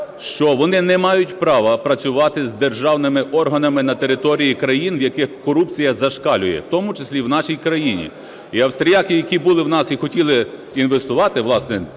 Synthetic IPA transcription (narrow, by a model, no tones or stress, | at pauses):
ʃt͡ʃɔʋɔnɪnɛmɑjʊtʲpɾɑʋɐpɾɐt͡sʲʊʋɑt̪ɪzd̪erʒɑwnɪmɪʔɔrɦɐnɐmɪnɐt̪e̞ɾɪt̪ɔɾʲijikɾɐjinwjɐkɪxkɔɾup̚t͡sʲijɐzɐʃkɑlʲʊjɛ̰t̪ɔmʊt͡ʃesʲlʲiwn̪ɑʃijkɾɐjinʲḭ | iɐwst̪ɾʲijakɪjɐkʲibʊlˠɪwnɑsixɔtʲilˠɪ | inʋest̪ʊʋɑt̪ɪʋlˠɑsnɛ